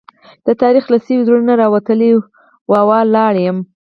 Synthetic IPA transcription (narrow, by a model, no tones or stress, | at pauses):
d̪̥ət̪ɑɾixlasiwid̪ɾunənaɾɑwat̪əli | wɑwɑlɑɽjəm